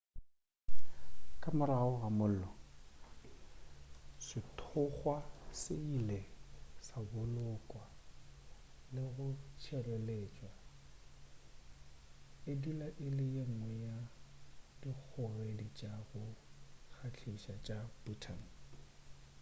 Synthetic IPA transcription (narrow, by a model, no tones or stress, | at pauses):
kʼamʊɾaʊɣamʊl̩lɔ | sɪtʰʊχwasɪilesabʊlʊkʼwa | lɪɣʊt͡ʃʰɛrweleːt͡ʃʼwa | edilaʔɪlɪjeŋ̩wɛja | dik͡xʰʊredit͡ʃʼaɣʊk͡xʰat͡ɬʰiʃat͡ʃʼabutʰan̩